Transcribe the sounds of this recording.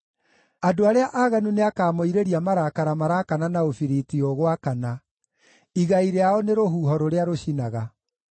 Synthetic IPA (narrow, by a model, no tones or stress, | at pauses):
adoaɾeaʔaɣanuneakaːmoiɾeɾiamaɾakaɾamaɾakananaofiɾitioɣwakana | iɣaiɾeaɔneɾoɦuːɦɔɾoɾeaɾoɕinaɣa